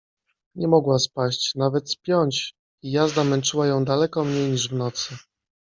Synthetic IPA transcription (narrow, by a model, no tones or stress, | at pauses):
ɲɛmɔɡwaspaɕt͡ɕnavɛt̪spʲjɔɲt͡ɕ | ijazd̪amɛnt͡ʂɘwajɔ̃w̃d̪alɛkɔmɲejɲiʐvnɔt̪sɘ